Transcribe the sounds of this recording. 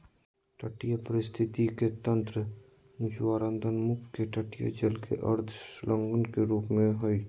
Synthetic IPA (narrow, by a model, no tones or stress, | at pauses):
ʈəʈijəpəɾɪst̪ʰɪt̪iket̪ə̃nt̪ɾə | ʊt͡ʃwaːɾə̃nd̪ʱənmʊkkeʈəʈijə̰d͡ʒəlkḛʔɐɾd̪ʰslʔə̃ŋɡənkeɾuːpmẽɦoi